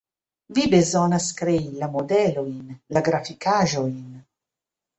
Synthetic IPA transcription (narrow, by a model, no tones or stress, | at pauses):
vibezɔnaskɾeilamod̪ɛloinlaɡɾafikaːʒoin